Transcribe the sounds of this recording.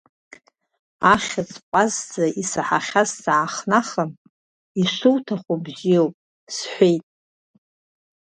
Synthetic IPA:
aχʲat͡sʰʼqʷʼazzaisaħaχʲazsaːχnaχəm | iʂuwtʰaχʷubzijowpʼ | sħʷejtʼ

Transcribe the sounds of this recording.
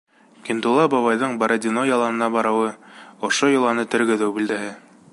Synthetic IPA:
kʲint̪ulˠɑbɑβɑjðɤɴbɑɾʔad̪ʲinojɑlˠɑnɤ̆nɑbɑɾɤ̆wɤŏʃojŏlˠɑnɤt̪ɵ̆ɾɡɵ̆ðɘwbild̪æɦɘ

